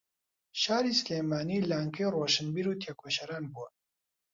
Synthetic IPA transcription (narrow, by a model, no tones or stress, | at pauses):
ʃaːɾiːslejmaːniːlaːŋkɐjroːʃɨnbiːɾuːt̪ʰeːkʰoʃɐɾaːnbuwɐ